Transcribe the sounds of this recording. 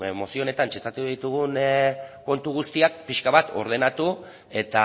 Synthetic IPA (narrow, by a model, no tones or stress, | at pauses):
mo̞sio̞ne̞t̪ant͡ʃest̪at̪uðit̪uɣunko̞nt̪uɣ̞ust̪iak̚piʃkaβat̪o̞̰ɾð̞e̞nat̪u | e̞t̪a